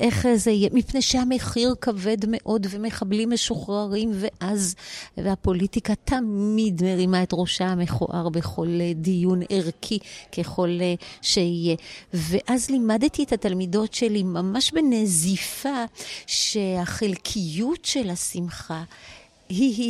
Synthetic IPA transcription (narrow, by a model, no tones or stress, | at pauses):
ʔe̞χzeijemipnejʃeame̞χiʁkave̞dme̞ʔo̞dve̞meχablimeʃoχʁaʁimve̞ʔazvapo̞litikatʰamidmeʁimaetʁoʃaameχo̰ʔaʁbe̞χo̞ledijuneʁkʰike̞χo̞lʃeije̞veʔazlimadt̪iet̪hat̪almido̞tʃe̞limamaʃbenezifaʃehaχelkʰijutʃe̞lhasimχa | hi